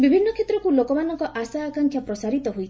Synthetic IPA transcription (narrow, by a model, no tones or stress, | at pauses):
bibʱinːɔkʰet̪ɾɔkulokɔmanɔŋkɔʔasaːkaŋkʰjapɾɔsaɾit̪ɔɦojt̪ʰi